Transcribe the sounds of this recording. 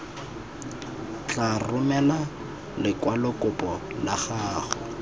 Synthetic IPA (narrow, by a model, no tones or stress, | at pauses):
t͡ɬarʊmɛla | lɪkʼwalʊkʼʊpʼɔlaχaːχʊ